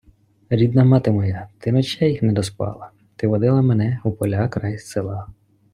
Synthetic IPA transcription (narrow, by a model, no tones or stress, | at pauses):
ɾʲid̪nɐmɑt̪ɪmɔjat̪ɪnɔt͡ʃɛjixnɛd̪ɔspɑ̰lˠɐ | t̪ɪʋɔd̪ɪlˠɐmenɛupɔlʲɑkɾɑjsselˠɑ